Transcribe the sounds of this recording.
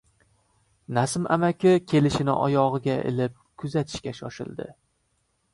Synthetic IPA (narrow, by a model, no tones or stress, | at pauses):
nasɪmʔa̰makʲʰɪkʲʰe̞lɪʃɪnɪ̰ʔɒ̰jɒʁɨɡʲaɪ̰lɪp̚kʰʊzat̪ʰɪ̥ʃkʲaʃɒʃɪ̰ld̪ɪ̰